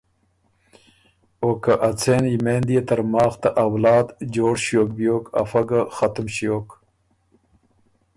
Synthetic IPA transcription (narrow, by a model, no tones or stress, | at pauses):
oːkaʔat͡sʰeːnimend̪ijet̪ɐɾmɑːxt̪aʔawlɑːd̪d͡ʑoːɽɕjoːkbjoːka̰fɐɡaxɐt̪umɕjoːk